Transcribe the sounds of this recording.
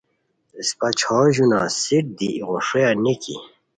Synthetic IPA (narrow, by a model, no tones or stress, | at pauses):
espat͡ɕʰoːʑunasiʈ̚d̪iːʁoʂejanikḭ